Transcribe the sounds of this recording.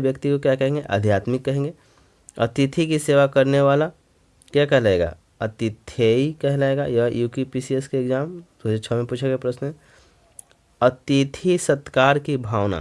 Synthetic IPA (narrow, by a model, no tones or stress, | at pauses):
ʋjɐkt̪ikokjakɐɦẽːŋɡeʔɐ̰d̪ʱjaːt̪mɪkːɐɦẽːŋɡe | ɐ̰t̪it̪ʰikiseːʋakɐɾneʋaːla | kjakɛɦlaeːɡa̰ | ɐt̪it̪ʰeikɛɦlaːeɡa̰jɐjuːkipisieskeːɡzaːmt̪oset͡ʃʰɔmẽpuːt͡ʃʰeɡepɾɐsnɦɛ̃ | ɐt̪it̪ʰisɐt̪kaːɾkibʱaːʋna̰ː